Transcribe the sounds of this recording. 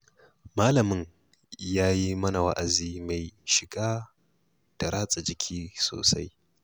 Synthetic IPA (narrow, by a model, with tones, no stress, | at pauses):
ma˦lɐ˨mɪ˦ŋ | jaː˦ji˦mɐ˦na˨wa̰˦ʔa˨ziː˦ma˨jʃɪ˨ɡaː˦ | d̥a˨ɾaː˦t͡sʼa˨d͡ʒɪ˦kʲʰiː˦so̰ː˨sa˦j